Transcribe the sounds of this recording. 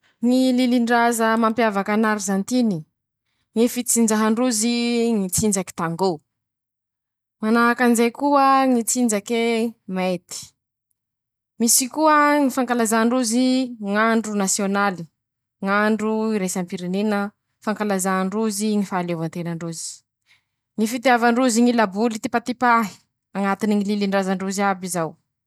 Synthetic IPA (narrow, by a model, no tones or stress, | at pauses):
ŋililiɳɖ͡ʐazəmampjavakanaɾizant̪ini | ŋifit͡sind͡ʒaɦaɳɖ͡ʐuziŋit͡sind͡zaki̥t̪aŋɡo | manaɦakanizajkuəŋit͡sind͡ʒakemet̪i̥ | misikuəŋifaŋkalazaɳɖ͡ʐuziŋaɳɖ͡ʐunasionali | ŋaɳɖ͡ʐuiɾesampiɾenenə | faŋkalazaɳɖ͡ʐuziŋifaːlevant̪enəɳɖ͡ʐuzi̥ | ŋifit̪eavaɳɖ͡ʐuziŋilabulit̪ipat̪ipaɦi̥ | aŋat̪iniŋililiɳɖ͡ʐazaɳɖ͡ʐuziabizaw